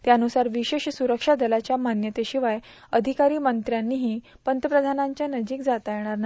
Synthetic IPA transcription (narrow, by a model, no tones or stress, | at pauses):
t̪janusaɾʋiɕeɕsuɾəkʂad̪əlat͡ɕjamanjət̪eɕiʋaj | əd̪ʱikaɾiːmənt̪ɾjanːiːɦiː | pənt̪əpɾəd̪ʱanaɲt͡ɕjanəd͡ʑiːkd͡zat̪ajeɽ̃aɾna